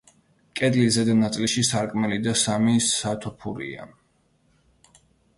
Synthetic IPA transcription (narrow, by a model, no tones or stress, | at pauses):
kʼɛd̪lizɛd̪anat̪sʼliʃisaɾkʼmɛlid̪asamisat̪ʰɔpʰuɾḭa̰